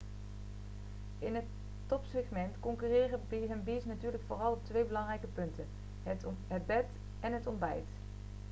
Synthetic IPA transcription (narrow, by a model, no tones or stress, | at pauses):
ʔɪnɦətː | ɔpsɛχmɛntkɔŋkyːrɪːrəbɦənbisnatyːɹləkfʊːrɑlˠɔp̚tʋejbəlɑŋrɛjkəpɵntən | ɦədbɛt | ɛnɦətɔmbɛ̰jt